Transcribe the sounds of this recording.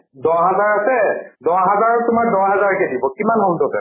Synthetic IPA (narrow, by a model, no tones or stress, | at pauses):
dɔɦazaɹasɛdɔɦazaɹɔtʊmak̚dɔɹɦɛzaɹkɛdibɔkimanɦɔmtɔsɛ